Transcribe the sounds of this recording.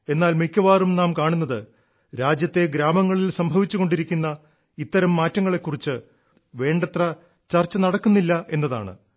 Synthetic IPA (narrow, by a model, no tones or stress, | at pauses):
e̞nːaːlmikʲːɐʋaːrumnaːmkaːɳunːɐðɨ | ɾaːd͡ʑjɐt̪ːe̞ɡɾaːmɐŋːɐɭilsɐmbʱɐʋit͡ɕːuɣo̞ɳɖiɾikʲːunːɐ | it̪ːɐɾɐmːaːtːɐŋːɐɭe̞kːurit͡ɕːɨ | ʋe̞ːɳɖɐt̪rɐ | t͡ɕɐrt͡ɕːɐnɐɽɐkːunːilːɐʔe̞nːɐða̰ːɳɨ̰